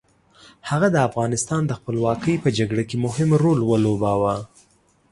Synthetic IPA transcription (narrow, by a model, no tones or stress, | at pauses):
haɣad̪əafɣɑnɪst̪ɑnd̪əxpəlwɑkəjpəd͡ʒaɡɽakemʊhɪmɾolwəlobawa